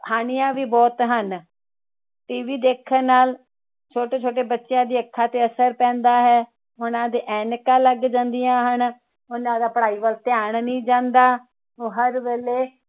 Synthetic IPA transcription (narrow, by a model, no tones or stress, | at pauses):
haːnijãːʋiːbɔːt̪ɦən | ʈiːʋiːd̪eːkʰːəɾnaːl | t͡ʃʰoːʈeːt͡ʃʰoːʈ̬eːbətːʃɪjãːd̪iːəkʰːaːt̪eːəsəɾpɛ̃ːnd̪aːɦɛː | ʊnãːd̪eːʔɛːnkãːləɡd͡ʒãːnd̪ijãːɦən | ʊnãːd̪aːpəɽaːiːʋəlt̪ɪjaːɳnĩːd͡ʒãːnd̪aː | oːɦəɾʋeːleː